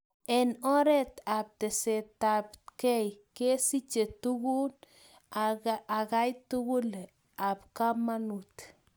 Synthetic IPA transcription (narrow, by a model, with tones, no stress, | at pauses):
e˨no˦ɾe˦t̪a˨p̚t̪e˨se˨t̪apke˦jke˦si˦t͡ʃe˨t̪u˦ɣu˦n | a˨ɣa˦jt̪u˦ɣu˦le | abka˦ma˦nut̪